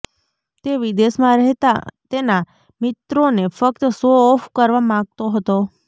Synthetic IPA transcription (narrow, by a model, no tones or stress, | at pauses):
t̪eʋid̪esmãɾəɦt̪a̰t̪ena | mɪt̪ɾonefək̚t̪əsoːfkəɾʋamãɡ̚t̪oɦət̪o